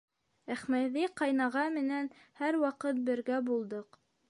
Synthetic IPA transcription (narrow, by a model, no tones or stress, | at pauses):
æχmæðiqɑjnɑʁɑmɘ̆nænhæɾwɑqɤt̪̚bɘ̆ɾɡæbulˠd̪ɤq